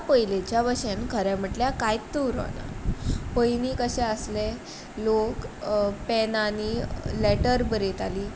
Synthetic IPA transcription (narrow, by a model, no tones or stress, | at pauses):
pəjlet͡ɕjabəɕenkʰəɾjam̤əʈljakajt̪ːuɾɔ̰na̰pəjnikəɕɛ̃əsle | lokpɛnanileʈəɾbəɾet̪aliː